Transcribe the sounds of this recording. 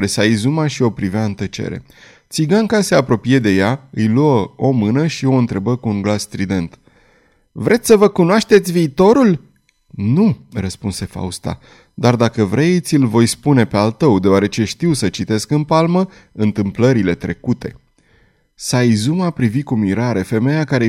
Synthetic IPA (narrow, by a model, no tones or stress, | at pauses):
ɾesaizumaʃio̞pɾiveaɨnt̪ət͡ʃḛɾe̞̰ | t̪siɡaŋkase̞apɾo̞pije̞d̪e̞jaɨjluəo̞mɨnəʃio̞ɨnt̪ɾe̞bəkuːŋɡlasːt̪ɾid̪e̞nt̪ | vɾʔe̞t̪sʲsəvəkunoaʃt̪e̞t̪sʲviːt̪o̞ɾul | nurəspunse̞fa̰ust̪a̰ | d̪ard̪akəvɾe̞t̪sʲɨlvo̞jspune̞pe̞alt̪əwd̪e̞oaɾe̞t͡ʃe̞ʃt̪iwsət͡ʃit̪e̞skɨnpalmə | ɨnt̪ɨmpləɾile̞t̪ɾe̞̰kut̪e̞̰ | sajzumapɾivikumiɾaɾe̞fe̞me̞jakaɾe̞